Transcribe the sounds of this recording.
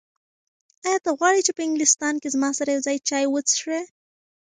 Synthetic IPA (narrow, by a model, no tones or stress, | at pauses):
ajɑt̪aɣwɑɽit͡ʃepəɪŋɡlɪst̪ɑːnkezmɑsaɾajawzɑjt͡ʃɑjwət͡sʃɽe